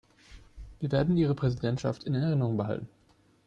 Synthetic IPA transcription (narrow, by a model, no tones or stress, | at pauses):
viːɐveːɐdn̩iːʁ̞əpʁ̥ɛzidɛntʃa̰ftɪndenɛʁɪnəʁʊŋbəɦa̰ltn̩